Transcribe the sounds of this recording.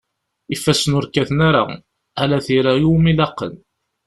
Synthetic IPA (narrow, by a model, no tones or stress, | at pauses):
ifːæsənʊɾkæθənaɾa̰ | ælæθiɾajumilɑqːə̰n